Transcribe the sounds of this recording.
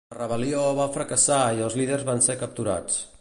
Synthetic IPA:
ərəβəlioβafɾəkəsaiəlˠzliðərzβansekəp̚t̪uɾa̰t͡s

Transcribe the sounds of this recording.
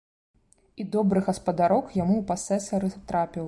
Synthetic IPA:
id̪ɔbɾɨɣɐspɐd̪aɾɔkjamuupasɛsɐɾɨt̪ɾapʲiw

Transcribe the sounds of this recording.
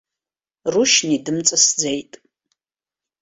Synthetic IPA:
ruʃnidɨmt͡sʼɐsd͡zejtʼ

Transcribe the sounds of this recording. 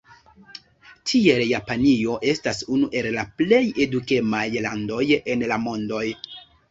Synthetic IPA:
tʰie̞ljapanio̞ʔe̞stasunuʔe̞llaple̞je̞duke̞majlando̞je̞nlamo̞ndo̞j

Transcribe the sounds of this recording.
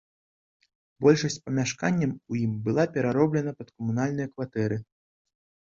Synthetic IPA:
bɔlʲʂɐsʲt͡sʲpɐmʲaʂkanʲːɐmujimbɨlˠapʲɛɾaɾɔblʲɛnɐpɐt̪kɐmunalʲnɨjɐkvat̪ɛɾɨ

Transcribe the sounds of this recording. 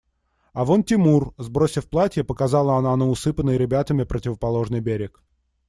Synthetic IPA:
ɐvontʲɪmurzbɾosʲɪfplˠatʲjəpəkɐzɑlˠəɐnaɐnoʊsɨpənəjɾʲɪbʲat̪əmʲɪpɾətʲɪvəpɐlˠo̞ʐnɨjbʲeɾʲɪk

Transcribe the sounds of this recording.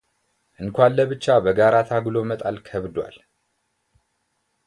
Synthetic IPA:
ʔɨŋkʷalːəβɨt͡ʃːabəɡaɾat̪ʰaɡlo̞mət̪ʼalkʰəβd̪wa̰l

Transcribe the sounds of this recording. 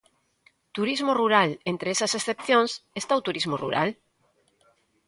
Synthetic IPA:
t̪uɾizmoruɾalent̪ɾeesɐsesθepθjõŋsest̪auwt̪uɾizmorṵɾa̰l

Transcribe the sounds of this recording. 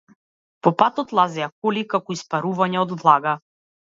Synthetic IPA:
pɔpat̪ɔt̪lˠazɛjakɔlikakɔispaɾuvaɲɛɔd̪vlˠaɡa

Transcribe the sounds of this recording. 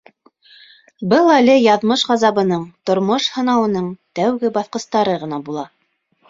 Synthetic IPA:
bɤlˠælɘjɑðmɤʃʁɑzɑβɤ̆nɤɴt̪ŏɾmoʃhɤ̆nɑwɤ̆nɤɴt̪æwɡɘbɑθqɤ̆st̪ɑɾɤʁɤ̆n̪ɑbulˠɑ

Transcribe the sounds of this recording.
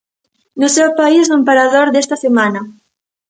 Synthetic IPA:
nʊsewpaiznʊmpaɾaðoɾðest̪ɐsemanɐ

